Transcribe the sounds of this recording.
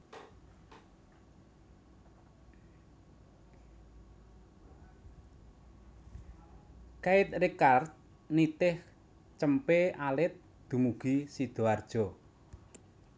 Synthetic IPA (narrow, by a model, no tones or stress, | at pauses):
kaɪt̪̚rikart̪̚ | nit̪ɪh | t͡ʃəmpeʔalɪt̪̚ | d̪̥ṳmuɡ̥isid̪̥o̤ard̥ʒ̥ɔ